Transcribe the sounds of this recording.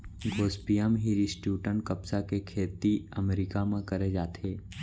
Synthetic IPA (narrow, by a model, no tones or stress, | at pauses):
ɡoːspijəmɦiɾisʈjuːʈəɳ̚kɐpsakekʰeːt̪iɐmeɾikamẽkɐɾed͡ʒaːt̪ʰeː